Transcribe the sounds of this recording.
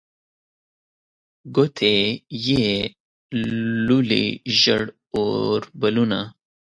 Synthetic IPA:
ɡot̪ʰeje | lulḭʒə̰ɽ | oɾbəluna̰

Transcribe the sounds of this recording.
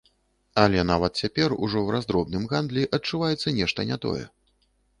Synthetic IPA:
ɐlʲɛnavɐt̪̚t͡sʲapʲɛrṵʐɔwrazd̪ɾɔbnɨmɣand̪lʲiʔɐt͡ʂːuvajɛt̪sːɐnʲɛʂt̪ɐnʲat̪ɔ̰jɛ̰

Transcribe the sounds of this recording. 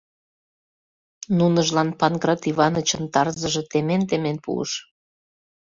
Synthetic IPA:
nunəʒlɑnpɑnɡrɑt̪iβɑnət͡ɕə̆nt̪ɑrzəʒɤ̆t̪ement̪emenpṵə̰ʃ

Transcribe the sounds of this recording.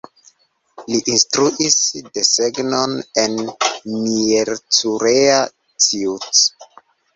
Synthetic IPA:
liʔinstɾuʔisdeseɡnonenmieɾt͡suɾea | t͡siut͡s

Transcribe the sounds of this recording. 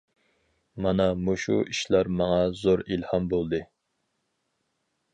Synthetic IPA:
mɑnɑmuʃṵʔiʃlæɾmɑŋɑzoɾilhɑmbolˠd̪ɨ

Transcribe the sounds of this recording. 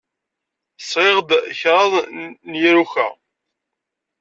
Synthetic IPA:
sɾɪʁd̪çɾˤɑðˤnjiɾuçæ̰

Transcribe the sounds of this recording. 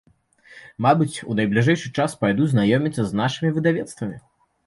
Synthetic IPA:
mabɨt͡sʲṵnɐjblʲiʐɛjʂɨt͡ʂaspajd̪uznajɔmʲit̪sɐznaʂɨmʲivɨd̪avʲɛt̪st̪vɐmʲi

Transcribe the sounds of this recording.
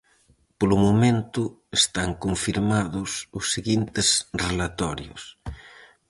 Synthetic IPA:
polʊmomẽnt̪ʊ | est̪aŋkoɱfiɾmaðʊsʊsːeɣint̪esrelat̪ɔɾjʊ̰s

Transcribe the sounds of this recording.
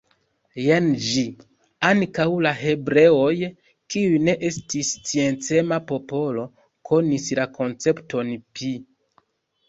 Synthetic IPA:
jend͡ʒi | aŋkawlaɦe̞bɾe̞o̞j | kiujne̞ʔe̞stist͡sie̞nt͡se̞mapo̞po̞lo̞ | kʰo̞nislakʰo̞nt͡se̞pto̞npi

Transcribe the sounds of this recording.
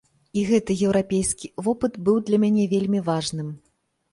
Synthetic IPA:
iɣɛt̪ɨjɛwɾapʲejskʲivɔpɨt̪bɨwd̪lʲɐmʲanʲɛvʲelʲmʲivaʐnɨm

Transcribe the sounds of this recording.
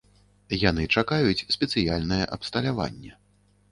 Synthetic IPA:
jan̪ɨt͡ʂakajut͡sʲsʲpʲɛt̪sɨjalʲnɐjɛʔɐpst̪ɐlʲava̰nʲːɛ

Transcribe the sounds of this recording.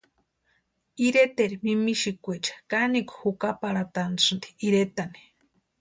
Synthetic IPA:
iɾet̪eɾimimiʃikʷet͡ʃḁkanikhukapaɾat̪ansɨnd̪i̥iɾet̪ani̥

